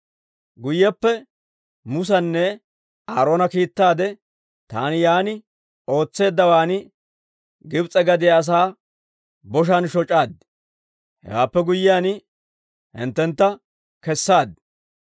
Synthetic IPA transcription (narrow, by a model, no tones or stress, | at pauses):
ɡʊjːɛpːɛ | mʊs̬ɐnːɛ | aːɾo̞ːnɐkiːt̪ːaːd̪ɛ | t̪aːnɪjaːnɪ | o̞ːt͡sːe̞ːd̪ːɐwaːnɪ | ɡɪbt͡sʼɛɡɐd̪ɪjaːs̬aː | bɔʃ̬anʃɔt͡ʃʼːaːd̪ | hɛ̰waːpːɛɡʊjːɪjaːn | hɪ̰nt̪ːɛnt̪ːɐ | kɛsːaːd̪